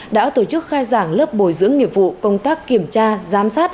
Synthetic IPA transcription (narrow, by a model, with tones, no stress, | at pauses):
ɗa̰ː˧˥t̪o˧˩t͡ɕɨ˦˥k̚xaː˧jzaː˧˩ŋləː˦˥p̚ɓo˧˩jzɨ̰˧˥əŋːḭ˧˨p̚vṵ˧˨kə˧wŋ͡mt̪aː˦˥kːi˧˩əmt͡ɕaː˧zaː˨˦msaː˦˥t̚